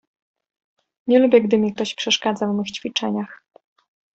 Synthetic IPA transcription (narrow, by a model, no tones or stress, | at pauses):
ɲɛlubʲjɛɡd̪ɘmʲik̚t̪ɔɕpʂɛʂkad̪zavmɘxt͡ɕfʲit͡ʂɛɲax